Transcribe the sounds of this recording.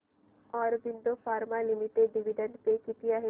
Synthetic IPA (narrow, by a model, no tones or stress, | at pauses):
ɔːɾbind̪ofʰaːɾmalimiʈeɖːiʋiɖəɳɖpekit̪iaɦe